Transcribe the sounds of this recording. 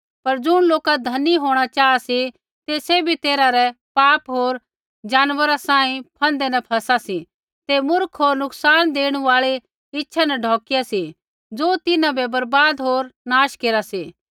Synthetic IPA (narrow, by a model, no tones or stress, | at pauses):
pɐɾd͡ʒʊɽ̃loːkad̪ʱɐniɦoːɽ̃at͡ʃaːasi | t̪esebʱit̪eːɾaɾɛpaːpɦoːɾ | d͡ʒaːnʋəɾasãːĩpʰɐ̃nd̪ɛnɛpʰɐsasi | t̪emʊɾkʰɦoːɾnʊksaːnd̪eːɽ̃uaːɭe | ɪtːʃʰanɛɖʱɔːkɪjasi | d͡zoːt̪ɪnãbɛbɐɾbaːd̪ɦoːɾnaːʃkeːɾasiː